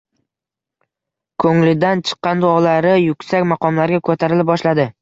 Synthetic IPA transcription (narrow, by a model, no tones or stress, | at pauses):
kʰɵŋlɪd̪ant͡ʃʰɨ̥qːɑnd̪ʊɒlaɾɪjʊkʲsakʲmɑqɒmlaɾɡʲakʰɵt̪ʰaɾɪlɪp̚bɒʃlad̪ɪ